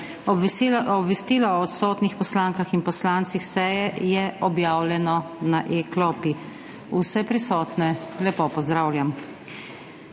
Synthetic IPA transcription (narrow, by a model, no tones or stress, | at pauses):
ɔbɔbʋɛst̪iːlɔːt̪sɔːt̪nixpɔslaŋkaxinpɔslant̪sixsɛjɛjɛʔɔbjaːwljɛnɔnaʔeklɔpi | usɛpɾisɔːt̪nɛlɛpopɔzd̪ɾaːwlʲjam